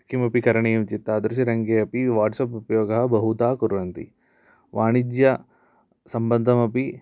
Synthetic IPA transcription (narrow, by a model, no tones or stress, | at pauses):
kimɐpikɐɾɐɳijɐmt͡ʃit̪ːaːd̪ɾuʃiɾɐŋɡeːɐpiʋaːɾʈsɐpupɐjoːɡɐɦɐbɐɦut̪aːkuɾʋɐnt̪ḭ | ʋʔaːɳid͡ʒjɐ | sɐmbɐnd̪ʱɐmɐpi